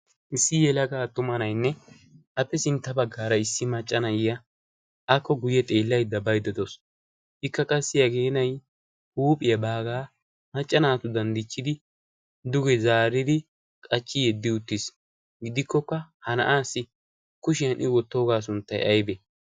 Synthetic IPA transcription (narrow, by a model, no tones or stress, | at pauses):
ʔɪsːɪjɛlɐɡaːt̪ːʊmɐnɐjnːɛ | ʔɐpːɛsɪnt̪ːɐbɐɡːaːɾɐɪsːɪmɐt͡ʃʼːɐnɐjɪjɐ | ʔɐkːɔɡʊjɛt̪ʼe̞ːlːɐjd̪ːɐbɐjd̪ɛd̪os | ɪkːɐkʼɐsːɪjɐɡe̞ːnɐj | huːpʼɪjɐbaːɡaː | mɐt͡ʃʼːɐnaːt̪ʊd̪ɐnd̪ɪt͡ʃːɪd̪ɪ | d̪ʊɡɛzaːɾɪd̪ɪ | kʼɐt͡ʃːɪjɛd̪ːɪʊt̪ːɪs | ɡɪd̪ɪkːɔkːɐhɐnɐ̰ʔaːsːɪ | kʊʃɪjɐnʔɪwɔt̪ːo̞ːɡaːs̬ʊnt̪ːɐ̰jɐ̰jbɛ